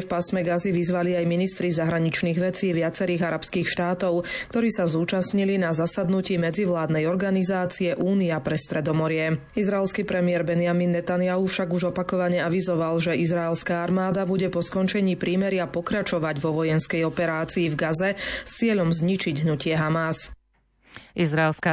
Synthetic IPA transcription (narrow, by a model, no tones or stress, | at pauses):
fpasmɛɡaziʋizʋaliajminist̪ɾizaɦɾaɲit͡ʃniːɣʋɛt͡siːʋɪat͡sɛɾiːɣaɾapskiːxʃt̪aːt̪ɔʊkt̪ɔɾiːsazuːt͡ʃasɲilinazasad̪nuciːmɛd͡ziʋlaːd̪nɛjɔɾɡanizaːt͡siɛʔuːniapɾɛst̪ɾɛd̪ɔmɔɾɪɛ | izɾaɛlskiːpɾɛmɪɛɾbɛnɪjaminːɛt̪anjaɦufʃaɡuʒɔpakɔʋaɲɛaʋizɔʋalʒɛʔizɾaɛlskaːaɾmaːd̪abuɟɛpɔskɔnt͡ʃɛɲiːpɾiːmɛɾɪapɔkɾat͡ʃɔʋaɟʋɔʋɔjɛnskɛjɔpɛɾaːt͡siːvɡazɛst͡sɪɛʎɔmzɲit͡ʃiɟɦnucɪɛɦamas | izɾaɛlska